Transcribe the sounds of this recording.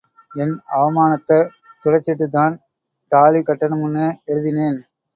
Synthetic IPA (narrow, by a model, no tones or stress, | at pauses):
ɛnɐʋɐmaːnɐt̪ːɐ | t̪ʊrɐt͡ʃːɪʈ̬ːɯt̪ːaːn | t̪aːlikɐʈːɐɳnɐmʊnːɐɛɻɯðɪneːn